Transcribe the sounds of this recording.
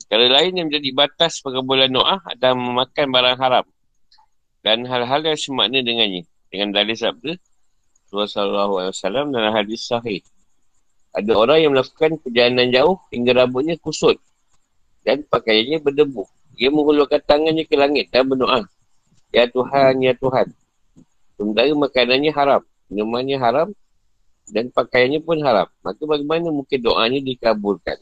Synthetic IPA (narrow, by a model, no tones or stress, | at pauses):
kalalaɪnjaŋməɲd͡ʒadibat̪aspəɡəbulanːoʔaha̰daməmakanbaɾaŋɦaɾam | danɦalɦaljaŋsəma̰ʔnədəŋanɲa | dəŋandalisab̚də | t̪uasalaɦualiwasalamdalaɦadisaɦɪh | ʔa̰daoɾaŋjaŋməlaku̥kanpəd͡ʒalanand͡ʒaʊhhiŋɡaɾabʊʔ̚ɲakusʊt̪̚ | danpakajanɲabərdəbʊh | iaməŋulukant̪aŋanɲakəlaŋɪt̪̚dambənoʔah | jat̪uɦanjat̪uɦan | səməd̪aimakananɲaɦaɾam | nəmanɲaɦaɾam | danpakajanɲapʊnɦaɾa̰mːakabaɡamanamuŋkɪndoʔa̰ɲadikabʊrka̰n